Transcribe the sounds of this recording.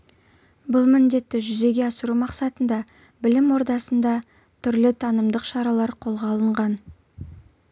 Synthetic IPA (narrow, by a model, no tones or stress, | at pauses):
bʊlˠmɪnd̪e̞t̪ːɪʒʏze̞ɡʲe̞ɑsəɾumɑqsɑt̪ənd̪ɑ | bɪlɪmwo̞ɾd̪ɑsənd̪ɑ | t̪ʰʏɾlɪt̪ʰɑnəmd̪əqʃɑɾɑlˠɑɾqʰo̞lˠʁɑlˠəɴʁɑn